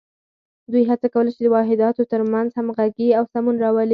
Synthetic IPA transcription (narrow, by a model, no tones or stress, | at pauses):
d̪ujɦat͡sakawəlat͡ʃed̪əwɑɦɪd̪ɑt̪ot̪əɾmanzhamɣaɡiawsamunɾɑwəli